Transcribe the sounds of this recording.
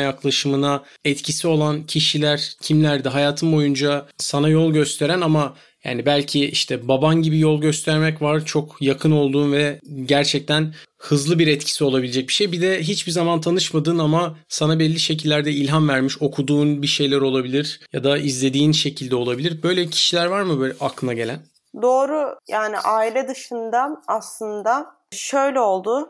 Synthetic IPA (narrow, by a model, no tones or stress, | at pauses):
jaklˠaʃɯmɯna | ɛt̪cʰisio̞lˠancʰiʃilʲæɾ̥cʰimlʲæɾd̪ɛɦajaːt̪ʰɯmbo̞jund͡ʒasanajo̞lˠɟø̞st̪ʰe̞ɾænama | ja̰ːnibælʲcʰiiʃt̪ʰɛbabanɟibijolˠɟø̞st̪ʰɛɾmɛcvaɾt͡ʃʰo̞kjakʰɯno̞lˠd̪uːnvɛɟæɾt͡ʃʰɛc̚t̪ʰæn | hɯzlˠɯbiɾɛt̪cʰi̥sio̞lˠabilʲed͡ʒɛc̚bi̥ʃejbid̪ɛɦit͡ʃbizamant̪ʰanɯʃmad̪ɯːnamasanabɛlʲːiʃe̞c̬ilʲːæɾd̪ɛilʲɦanvæɾmiʃo̞kʰud̪uːnbiʃe̞jlʲæɾo̞lˠabilʲiɾ̥jad̪aizlʲe̞d̪iːnʃe̞cʰilʲd̪ɛo̞lˠabilʲiɾbø̞jlʲeicʰi̥ʃilʲæɾvaɾmɯbaklˠɯnaɟe̞lʲæn | d̪o̞ːɾʊjaːnḭʔaːilʲɛd̪ɯʃɯnd̪aaslˠɯnd̪a | ʃøjlʲɛo̞lˠd̪ʊ